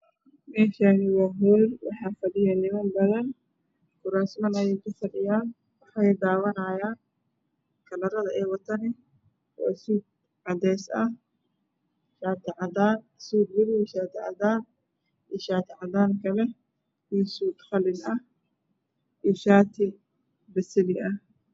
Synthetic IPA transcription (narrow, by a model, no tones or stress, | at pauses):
mɛːʃaːnɪwɑːɦɔːjwɑ̰ħɑːfɐd̪ɪjaːnɪmɐnbɐðɐn | kʰʊɾaːnsmɐnɐjɛjkʰʊfɐɖɪjaːn | wɑħjd̪aːwɐnɐːjaːn | kʰɐlɐɾɐðɐʔɛːwɐt̪ʰɐnɪ | ɔ̰ːsuːd̪̚ | ʕɑd̪ɛːsɐ | ʃaːt̪ʰɪʕɑðaːn | suːd̪wɪɾɪjʃaːt̪ʰɪʕɑ̰ðaːn | iʃaːt̪ʰɪʕɑðaːŋkʰɐlɛ | iːsuːd̪χɐlɪnɐ | ʔijʃaːt̪ʰɪ | bɐsɪlɪɐh